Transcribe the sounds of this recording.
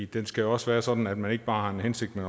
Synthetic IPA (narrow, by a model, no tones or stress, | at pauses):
d̥ensɡ̥æjoɒ̽sʋæːɐsɒ̽d̥n̩æd̥mæne̝ɡ̥əb̥ɑ̈ːhɑ̈e̝nhense̝ɡ̥̚d̥men